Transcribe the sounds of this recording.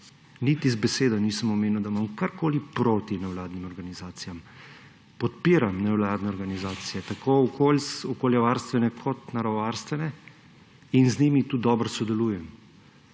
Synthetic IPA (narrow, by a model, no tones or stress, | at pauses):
nit̪izbɛseːd̪ɔniːsəmɔmeːnuwd̪amamkaɾkoːlipɾot̪inɛwlaːd̪nimɔɾɡanizaːt̪sijam | pɔt̪piːɾamnɛwlaːd̪nɛɔɾɡanizaːt̪sijɛt̪akoɔkʰolsɔkoljɛʋaɾst̪ʋɛnɛkʰɔt̪naɾaɔʋaɾst̪ʋɛnɛ | inzniːmit̪uːd̪ɔbɾsɔd̪ɛluːjɛm